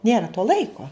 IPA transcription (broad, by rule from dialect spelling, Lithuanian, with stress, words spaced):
ˈnʲeːrɐ toː ˈlˠɐɪkoː